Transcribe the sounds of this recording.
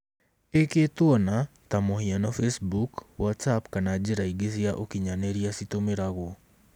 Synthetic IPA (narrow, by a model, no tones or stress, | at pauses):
eketwɔna | tamohianɔfesbukwatsapkanad͡ʒeɾaiɡes̬iaʔokiɲaneɾiasitomeɾaɣo